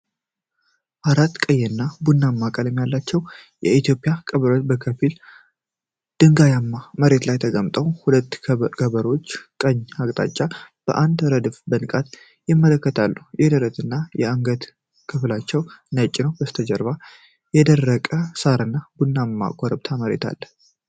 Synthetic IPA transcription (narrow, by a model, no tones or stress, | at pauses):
ʔaɾat̪ːkʼəjːɛnːabunːamːakʼəlɛmːjalːat͡ʃːɛw | jɛit̪jo̞pʼɪjakʼəβəɾobəkʰəfil | d̪̥ɨŋɡajamːaməɾe̞t̪lajt̪ʰəɡəmt̪ʼəwhulət̪ːkʰəβəɾo̞t͡ʃːkʼəɲːakʼt̪ʼa̰t͡ʃʼːab̥ə̰ʔand̪ɾəd̪ɨfbənkʼat̪ | jɪmːələkːət̪ʰalːujɛd̪əɾət̪ɨnːajɛaŋɡət̪ | kʰɨflat͡ʃːɛwnət͡ʃʼːɪnəwbəst̪ʰəd͡ʒəɾβa | jɛd̪ərːəkʼəsaɾɨnːabunːamːa̰kʼɔɾəbt̪ʰaməɾe̞̰t̪ʰa̰lːə